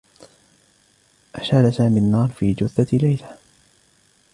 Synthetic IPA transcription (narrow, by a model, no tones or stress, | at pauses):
ʔaʃalasaːminːɑːɾˤfiːd͡ʒʊθalajla